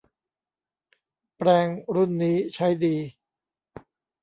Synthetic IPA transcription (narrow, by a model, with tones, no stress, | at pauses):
pɾɛː˧ŋɾu˥˩nːiː˦˥t͡ɕʰa˦˥jdiː˧